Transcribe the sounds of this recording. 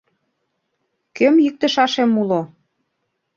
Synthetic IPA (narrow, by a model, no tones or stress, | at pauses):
kømjik̚t̪ə̆ʃɑʃemulo